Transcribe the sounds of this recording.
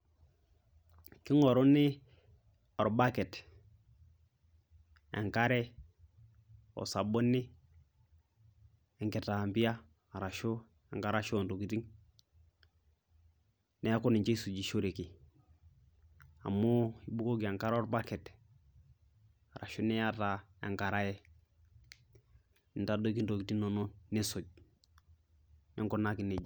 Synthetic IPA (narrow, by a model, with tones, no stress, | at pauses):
ki˦ŋo˨ɾu˦nɪ˦ | o˨ɾba˦ke˨t | ḛ˨ŋka˦ɾe˦ | o̰˨sa˨bo˦nːi˦ | e˨ŋke˨ta˨mbi˦a˦ | a˨ɾa˨ʃo˦ | e˨ŋka˦ɾa˦ʃo˦˨nto˨ki˨ti˦ŋ | ne˦a˦ko˦ni˨ɲt͡ʃe˦i˦su˨d͡ʒi˨ʃo˦ɾe˨ki˨ | a̰˨mo˦i˦bu˦ko˦ɡi˨a˨ŋka˦ɾo˦ɾba˦ke˨t | a˨ɾa̰˨ʃo˦nɛ˦ja˦ta˨ja̰˨ŋka˨ɾa˦jɛ˦ | ni˨nta˦do˦ki˦ndo˨ki˨ti˦ŋno˨no˦ne˦so˨ɟ̚ | nḛ˦ŋko˦na˦ki˨ne˨d͡ʒ